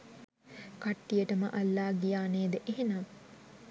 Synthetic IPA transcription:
kaʈːijəʈəməʔalːaːɡijaːneːd̪əʔeɦenaː

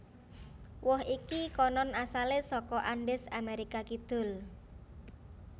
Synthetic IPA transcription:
wɔɦikikɔnɔnasalɪsɔkɔʔaɳɖɪsameɾikakid̪̥ʊ̤l

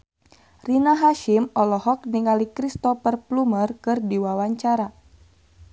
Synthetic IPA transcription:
rinaɦaʃimɔlɔɦɔk̚niŋalikɾist̪ɔfərplumərkɨrdiwawaɲt͡ʃaɾa

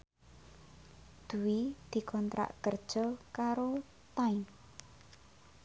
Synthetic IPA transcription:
d̪̥ṳwid̪̥i̤kɔnt̪ɾa̰ʔkərd̥ʒ̥ɔ̤kaɾo | t̪ain

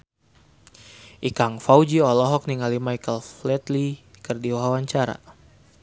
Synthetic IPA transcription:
ʔikaŋfaud͡ʒiɔlɔɦɔk̚niŋalimaikəlflɛt̪li | kərdiwaɦawaɲt͡ʃaɾa̰

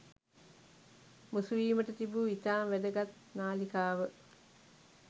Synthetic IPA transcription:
musuʋiːməʈət̪ibuit̪aːmʋæd̪əɡat̪ | naːlikaːʋə

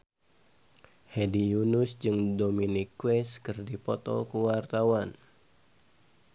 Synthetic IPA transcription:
hedijunusd͡ʒɨŋdominikwɛskɨrdipɔt̪ɔ̰kuwart̪awan

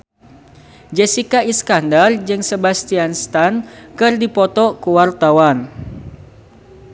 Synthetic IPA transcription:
d͡ʒɛsikaiskandard͡ʒɨŋsebast̪ianst̪ankɨrdipɔt̪ɔkuwart̪awan

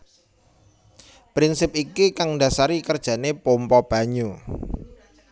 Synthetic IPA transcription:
pɾinsɪp̚ikikaŋndasaɾikərd̥ʒ̥ä̤nepompɔb̥a̤ɲu

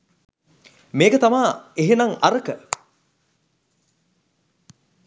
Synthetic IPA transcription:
meːkət̪amaːeɦenaŋaɾəkə

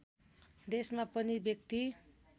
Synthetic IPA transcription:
d̪esmapʌnibjʌk̚t̪i

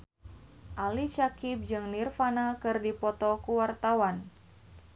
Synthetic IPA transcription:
ʔalit͡ʃakɪp̚d͡ʒɨŋnirfanakɨrdipɔt̪ɔkuwart̪awan

